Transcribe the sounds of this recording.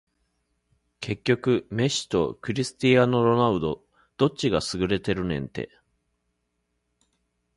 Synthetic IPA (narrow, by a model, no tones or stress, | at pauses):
kʰe̞kʲːo̞kɯ̟me̞ɕi̥t̪o̞̰kɯ̟ɾʲisɨ̥t̪ʲijano̞ɾo̞naɯ̟d̪o̞ | d̪̥o̞t͡ɕiɡasɨɡɯ̟ɾe̞t̪e̞ɾɯ̟nẽ̞̰nt̪e̞̰